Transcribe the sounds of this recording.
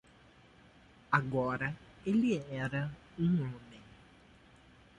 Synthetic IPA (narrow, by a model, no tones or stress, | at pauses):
aɡɔɾɐ | elɪɛɾɐ | ũõmẽ